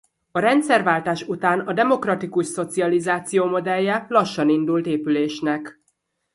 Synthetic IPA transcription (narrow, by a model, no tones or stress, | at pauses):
ɒɾɛnt̪sɛrvaːlt̪aːʃut̪aːnɒd̪ɛmo̞krɒt̪ikuʃso̞t̪siɒlizaːt̪sijoːmo̞d̪ɛlːɛlɒʃːɒnind̪ult̪eːpyleːʃnɛk